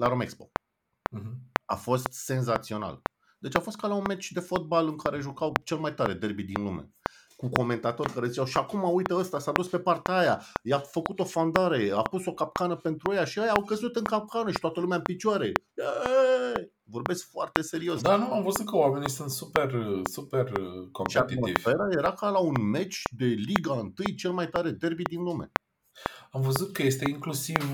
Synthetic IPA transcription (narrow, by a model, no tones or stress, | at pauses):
laɾomekspo̞̰ | a̰fo̞st̪se̞nzat̪sio̞na̰l | d̪e̞t͡ʃafo̞st̪̚kalaunmet͡ʃʲd̪e̞fo̞t̪̚balɨŋkaɾe̞ʒukawt͡ʃe̞lmajt̪aɾe̞d̪e̞rbid̪inlume̞̰ | kuko̞me̞nt̪at̪o̞rʲkaɾe̞zit͡ʃawʃiakumaujt̪əəst̪asad̪uspe̞part̪eaja̰jafəkut̪o̞fand̪aɾe̞apuso̞kap̚kanəpe̞nt̪ɾuejaʃiajaːwkəzut̪ɨŋkap̚kanəʃi̥t̪wat̪əlumeaɨmpit͡ʃuaɾe̞ | e | vo̞rbe̞skfoart̪e̞se̞ɾio̞sd̪anuamvəzut̪̚kəwame̞nisunt̪supe̞rsupe̞rkompʃeiaiḭvʲfeɾaje̞ɾakalaunme̞t͡ʃʲd̪e̞liɡaɨnt̪ɨjt͡ʃe̞lmajt̪aɾe̞d̪e̞rbid̪inlume̞̰ | amvəzut̪̚kəje̞st̪eiŋklusiv